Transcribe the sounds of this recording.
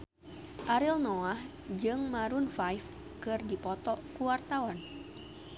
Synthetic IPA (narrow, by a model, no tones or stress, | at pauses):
ʔaɾilnɔah | d͡ʒɨŋmaɾunfajf | kɨrdipɔt̪ɔkuwart̪awan